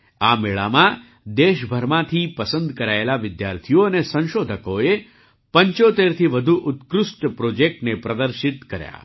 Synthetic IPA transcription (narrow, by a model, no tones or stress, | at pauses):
ameɭa̰mã | d̪eʃbʱəɾmãt̪ʰipəsənd̪kəɾaelaʋɪd̪ja̰ɾt̪ʰijoənesə̃nʃod̪ʱəkoe | pəɲt͡ʃot̪eɾt̪ʰiʋəd̪ʱuʔʊt̪kɾʊsʈpɾod͡ʒek̚ʈnepɾəd̪əɾʃɪt̪kəɾja̰